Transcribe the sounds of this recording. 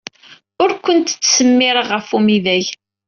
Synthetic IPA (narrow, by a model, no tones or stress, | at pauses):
ʊɾkʷənt̪t͡sːsəmːɪɾəʁəfumiðæʝ